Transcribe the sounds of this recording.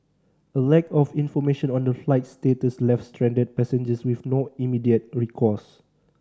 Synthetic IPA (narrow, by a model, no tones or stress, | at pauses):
əlɛkɔfĩnfɔmeʃə̃nɔ̃ndəflaɪt̚stetəslɛfstɹɛ̃ndət̚pɛsə̃nd͡ʒəswifnoimidiət̚ɹikʰɔs